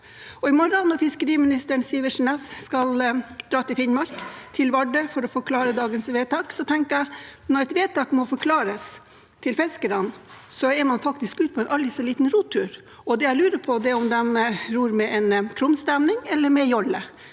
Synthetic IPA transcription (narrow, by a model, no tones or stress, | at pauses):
ɔɪmɔɾɑnnːɔɾfɪskəɾiːmɪnɪst̪əəɳsiːəʂnɛsskɑld̪ɾɑːt̪ɪlfɪnmɑɾkt̪ʰɪlʋɑɖəfɔɾɔfɔɾkʰlɑːɾəd̪ɑːɡənsʋeːt̪ɑːksɔt̪ʰɛŋkəæɪnɔɾɛɪt̪ʋeːt̪ɑːkmɔfɔɾkʰlɑːɾəs | t̪ʰɪlfɛskəɾɑnsɔɛmɑnfɑkt̪ɪskʉːt̪̚pʰɔɛnʔɑlɾɪsɔliːt̪nɾuːt̪ʰːʉːɾ | ɔd̪ɛjæɪlʉːɾəpʰɔd̪ɛɔmd̪ɛmɾuːɾmɛʔɛnkʰɾʊmst̪ɛmnɪŋɛlːəɾmɛjɔlːə